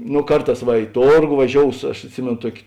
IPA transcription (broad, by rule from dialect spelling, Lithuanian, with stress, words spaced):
noː ˈkɐrˌtɑːs ʋɐ ɪ ˈtoːrɡoː ʋɐˈʒʲoːʊs ɐʃ ɐtʲˈsʲɪmʲeːnoː ˈtuɔkʲ